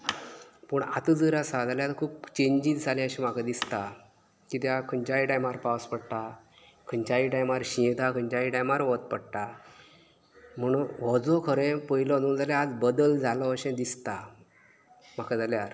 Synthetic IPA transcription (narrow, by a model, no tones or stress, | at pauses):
pəɳa̰t̪əd͡zəɾasad͡zaljat̪kʰuːp̚t͡ɕẽɲd͡ʑit͡sd͡zʱalẽəɕĩm̤akad̪ist̪a | kit̪jakʰəɲt͡ɕaiʈajmaɾpawspəɽt̪a | kʰəɲt͡ɕaiʈajmaɾɕĩt̪akʰəɲt͡ɕaiʈajmaɾʋɔt̪̚pəɽʈ̪a | m̤əɽ̃uːnʋɔd͡zɔkʰəɾẽpəilɔd͡zuːnd͡zaljaad͡zbəd̪əld͡zʱalɔəɕɛ̃d̪ist̪a | m̤akad͡zaljaɾ